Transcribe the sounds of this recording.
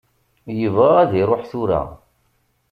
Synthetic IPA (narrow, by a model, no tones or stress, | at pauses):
jəvʁɑʁæðiɾˤoħθuɾa̰